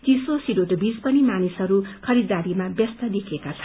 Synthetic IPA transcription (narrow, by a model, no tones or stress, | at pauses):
t͡sisosiɖoʈbid͡zpʌnimanisɦʌɾukʰʌɾid̪aɾimabjʌst̪ʌd̪ekʰekat͡sʰʌ